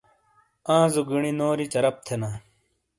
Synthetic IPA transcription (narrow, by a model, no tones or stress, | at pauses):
ãːzuɡiɳinoːɾit͡ɕɐɾɐp̚t̪ʰenaː